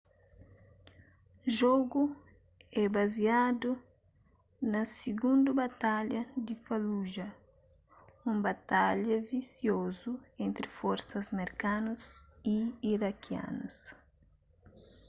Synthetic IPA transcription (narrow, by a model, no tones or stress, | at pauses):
ʒɔɡu | ɛbazjad̪u | nɐsiɡũnd̪ubat̪aʎɐd̪ifaluʒɐ | ũmbat̪aʎɐvisjozuẽnt̪ɾɪfɔɾsɐzmeɾkanusiiɾakʰja̰nus